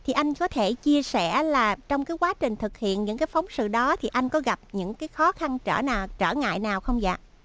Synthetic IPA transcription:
t̪ʰi˨˩ʔa˧jŋ̟kɔ˨˦t̪ʰe˧˩t͡ɕi˧əsɛ˧˩laː˨˩t͡ɕɔ˧wŋ͡mkaː˨˦jkwaː˨˦t͡ɕï˨˩ŋ̟t̪ʰɨ˨˩k̚hḭ˧˨ənɲɨ̰˧˥kaː˨˦jfɔ˨˦wŋ͡msɨ̰˧˨ɗɔ˨˦t̪ʰi˨˩ʔa˧jŋ̟kɔ˨˦ɣa˨˩p̚ɲɨ̰˧˥ŋkaː˨˦jxɔ˨˦xa˧nt͡ɕəː˧˩naː˨˩wt͡ɕəː˧˩ŋa̰ː˧˨jnaː˨˩wxə˧wŋ͡mza̰ː˧˨

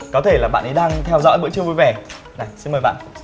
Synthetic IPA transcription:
kɔ˨˦t̪ʰe˧˩laː˨˩ɓa̰ː˧˨nə˨˦jɗaː˧ŋt̪ʰɛ˧wzɔ̰˧˥jɓɨ̰˧˥t͡ɕɨ˧voː˨˧˩jvɛ˨˩ | za˨˩jsi˧nməː˨˩jɓa̰ː˧˨n

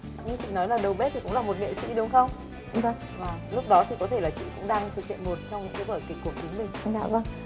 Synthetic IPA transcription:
a˨˩ɲɨ˧t͡ɕḭ˧˨nɔ˨˦jlaː˨˩ɗə˨˩wɓe˦˥t̪ʰi˨˩kʊ̰˧˥ŋ͡mlaː˨˩mo˨˩t̚ŋḛ˧˨sḭ˧˥ɗʊ˨˦ŋ͡mxə˧wŋ͡m | və˧ŋ | vaː˨˩lʊ˦˥k͡p̚ɗɔ˨˦t̪i˨˩kɔ˨˦t̪ʰe˧˩laː˨˩t͡ɕḭ˧˨kʊ̰˧˥ŋ͡mɗaː˧ŋt̪ʰɨ˨˩k̚hḭ˧˨ənmo˨˩t̚t͡ɕwŋ͡mt̪ʰe˨˦vəː˧˩jkaː˨˦jku˨˩ək̚t͡ɕi˨˦ŋmï˨˩ŋ̟a̰ː˧˩və˧ŋ

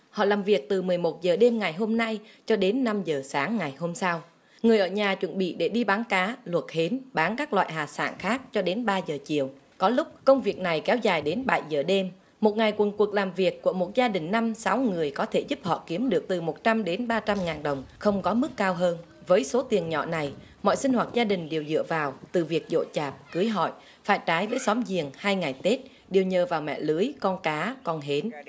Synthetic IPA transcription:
hɔ̰˧˨laː˨˩mvi˨˩ək̚t̪ɨ˨˩mɨ˨˩əjmo˨˩t̚zəː˨˩ɗe˧mŋa˨˩jɦo˧mna˧jt͡ɕɔ˧ɗe˨˦nːa˧mzəː˨˩saː˨˦ŋŋa˨˩jho˧msa˧w | ŋɨ˨˩əjʔəː˧˩ɲaː˨˩t͡ɕwə̰˧˩˨nɓḭ˧˨ɗe˧˩ɗi˧ɓaː˨˦nkaː˨˦lwə˨˩t̚he˨˦nɓaː˨˦nkaː˦˥k̚lwa̰ː˧˨jɦaː˨˩sa̰ː˧˩nxaː˦˥k̚t͡ɕɔ˧ɗe˨˦nɓaː˧zəː˨˩t͡ɕi˧˩˨əw | kɔ˨˦lʊ˦˥k͡p̚kə˧wŋ͡mvi˨˩ək̚na˨˩jkɛ˨˦wzaː˨˩jɗe˨˦nɓa̰˧˩jzəː˨˩ɗe˧m | mo˨˩t̚ŋa˨˩jkwə˨˩nku˨˩ək̚laː˨˩mvi˨˩əkːu˧˩əmo˨˩t̚zaː˧ɗï˨˩ŋ̟na˧msa˨˦wŋɨ˨˩əjkɔ˨˦t̪ʰe˧˩zu˦˥p̚hɔ̰˧˨ki˨˦əmɗɨ˨˩ək̚t̪ɨ˨˩mo˨˩t̚t͡ɕa˧mɗe˨˦nɓaː˧t͡ɕa˧mŋaː˨˩nɗə˨˩wŋ͡mxə˧wŋ͡mkɔ˨˦mɨ˦˥kːaː˧wɦəː˧n | vəː˨˦jso˨˦t̪i˨˩ənɲɔ̰˧˨na˨˩j | mɔ̰˧˨jsï˧ŋ̟hwaː˨˩t̚zaː˧ɗï˨˩ŋ̟ɗe˨˩wzɨ̰˧˨əvaː˨˩wt̪ɨ˨˩vi˨˩ək̚zo̰˧˨t͡ɕaː˨˩p̚kɨ˨˦jɦɔ̰˧˨j | faː˧˩jt͡ɕaː˨˦jvəː˨˦jsɔ˨˦mzḭ˨˩əŋhaː˧jŋa˨˩jt̪e˦˥t̚ | ɗe˨˩əwɲəː˨˩vaː˨˩wmɛ̰˧˨lɨ˨˦əjkɔ˧nkaː˨˦kɔ˧nɦe˨˦n

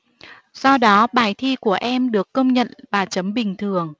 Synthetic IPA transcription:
sɔ˧wɗɔ˨˦ɓaː˧˩jt̪ʰi˧ku˧˩əʔɛ˧mɗɨ˨˩əkːə˧wŋ͡mɲə̰˧˨nvaː˨˩t͡ɕə˨˦mɓï˨˩ŋ̟t̪ʰɨ˨˩əŋ

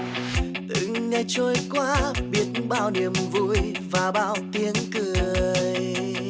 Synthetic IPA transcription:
t̪ɨ̰˧˨ŋɲɛ˧˩t͡ɕo˧jkwaː˧˦ɓi˦˥ət̚ɓaː˧wni˨˩əmvṵ˧˥j | vaː˨˩ɓa̰ː˧wt̪i˧ənkɨ˨˩j

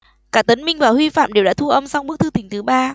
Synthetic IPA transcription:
kaː˦˥k̚t̪ə˨˦n̟mï˧ŋvaː˨˩hwi˧fa̰ː˧˨mɗe˨˩wa̰ː˧˥t̪u˧ʔə˧msa˧wŋ͡mɓɨ˦˥k̚t̪ʰɨ˧t̪ï˨˩ŋ̟t̪ʰɨ˨˦ɓaː˧

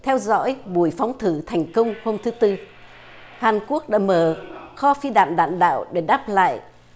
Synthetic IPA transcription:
t̪ʰɛ˧wzɔ̰˧˥jɓu˨˧˩əjfa˨˦wŋ͡mt̪ʰɨ˧˩t̪ʰɛ˨˩jŋ̟kə˧wŋ͡mho˧mt̪ʰɨ˨˦t̪ɨ˧ | haː˨˩nku˦˥ək̚ɗa̰ː˧˥məː˨˩xɔ˧fi˧ɗa̰ː˧˨nɗa̰ː˧˨nɗa̰ː˧˨wɗe˧˩ɗaː˦˥p̚la̰ː˧˨j

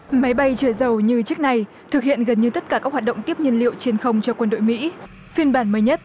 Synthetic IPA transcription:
ma˨˦jɓa˧jt͡ɕəː˧˩zə˨˩wɲɨ˧t͡ɕɨ˦˥ək̚na˨˧˩j | t̪ʰɨ˨˩k̚hḭ˧˨ənɣə˨˩nɲɨ˧t̪ə˦˥t̚kaː˧˩kaː˦˥k̚wa˨˩t̚ɗə̰˧˨wŋ͡mt̪i˦˥əp̚ɲə˧nlḭ˧˨əwt͡ɕe˧nxə˧wŋ͡mt͡ɕɔ˧kwə˧nɗo̰˧˨jmḭ˧˥ | fi˧ənɓaː˧˩nməː˨˦jɲə˦˥t̚

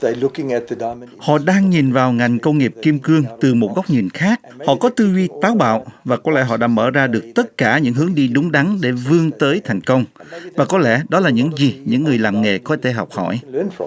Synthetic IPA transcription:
ðelʊkɪ̃ŋɛt̪̚ðədhɔ̰˧˨ɗaː˧ŋɲi˨˩nvaː˨˩wŋa˨˩jŋ̟kə˧wŋ͡mŋi˨˩p̚ki˧mkɨ˧əŋt̪ɨ˨˩mo˨˩t̚ɣa˦˥wk͡p̚ɲi˨˩nxaː˦˥k̚hɔ̰˧˨kɔ˨˦t̪ɨ˧vi˧t̪aː˨˦wɓa̰ː˧˨wvaː˨˩kɔ˨˦lɛ̰˧˥ɦɔ̰˧˨ɗa̰ː˧˥mə̰ː˧˩zaː˧ɗɨ˨˩ək̚t̪ə˦˥t̚kaː˧˩ɲɨ̰˧˥ŋɦɨ˨˦əŋɗi˧ɗʊ˨˦ŋ͡mɗa˨˦ŋɗe˧˩vɨ˧əŋt̪əː˨˦jt̪ʰa˨˩jŋ̟kə˧wŋ͡mvaː˨˩kɔ˨˦lɛ̰˧˥ɗɔ˨˦laː˨˩ɲɨ̰˧˥ŋzi˨˩ɲɨ̰˧˥ŋːɨ˨˩əjlaː˨˩mŋḛ˨˩kɔ˨˦t̪ʰe˧˩ɦɔ̰˨˩wk͡p̚hɔ̰˧˨jnf

